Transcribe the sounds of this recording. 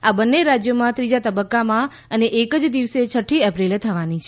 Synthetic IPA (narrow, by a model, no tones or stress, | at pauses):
abənːeɾad͡ʒjomãt̪ɾid͡ʒat̪əbəkːamã | əneʔekəd͡ʒd̪iʋset͡ʃʰəʈʰːiəpɾilet̪ʰəʋanit͡ʃʰ